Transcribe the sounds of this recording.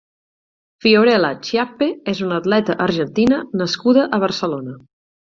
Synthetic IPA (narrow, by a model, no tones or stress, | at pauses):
fioɾɛlat͡ʃiapeɛzunəːd̪lɛt̪əʔəɾʒənt̪inənəskuðəʔəβ̞ərsəlonə